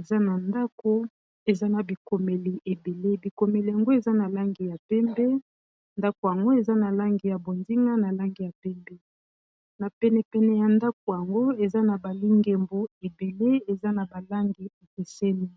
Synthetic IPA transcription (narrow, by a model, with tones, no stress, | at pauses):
e˨za˦na˨nda˦ko˦ | e˨za˦na˨bi˨ko˨me˨li˨ʔe˨be˨le˦bi˨ko˨me˨li˨ja˨ŋɡo˦e˨za˦na˨la˦ŋɡi˨ja˨pɛ˦mbe˦ | nda˦ko˨ja˨ŋɡo˦e˨za˦na˨la˦ŋɡi˨ja˨bo˨ndi˦ŋa˦na˨la˦ŋɡi˨ja˨pɛ˦mbɛ˦ | na˨pɛ˨nɛ˨pɛ˨nɛ˨ja˨nda˦k̚o˨ja˨ŋɡo˦e˨za˦na˨ba˨li˦ŋɡe˨mbu˦e˨be˨le˦e˨za˦na˨ba˨la˦ŋɡi˨e˨ke˨se˦li˦